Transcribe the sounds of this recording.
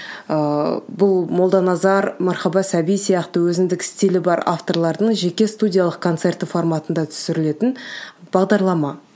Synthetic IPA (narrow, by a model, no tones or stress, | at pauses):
əbʊlˠmo̞lˠd̪ɑnɑzɑɾmɑɾχɑbɑsæbijsijɑqt̪əwɵzɪnd̪ɪkʲɪst̪ilɪbɑɾa̰ft̪o̞ɾlˠɑɾd̪əɴʒe̞kʲe̞st̪udʲijalˠəqkʰo̞nt̪se̞rt̪ɪfo̞rmɑt̪ənd̪ɑt̪ʰʏ̥sɪɾɪle̞t̪ɪn | b̥ɑʁd̪ɑɾlˠɑmɑ